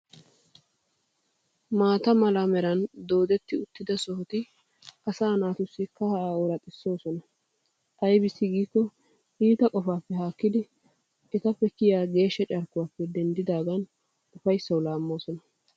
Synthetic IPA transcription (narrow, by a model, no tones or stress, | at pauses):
maːt̪ɐmɐlamɛɾɐnd̪o̞ːd̪ɛt̪ːɪʊt̪ːɪd̪ɐsɔhɔt̪ɪ | ɐsaːnaːt̪ʊsːɪkɐhɐʔaːɔɾɐt̪ʼɪsːo̞ːsɔnɐ | ʔɐjbɪsːɪɡiːkːɔ | iːt̪ɐkʼɔfaːpːɛɦaːkːɪd̪ɪ | ɛt̪ɐpːɛkɪjaːɡe̞ːʃːɛt͡ʃʼɐɾkːʊwaːpːɛd̪ɛnd̪ɪd̪aːɡɐn | ʊfɐjsːɐwlaːmːo̞ːsɔnɐ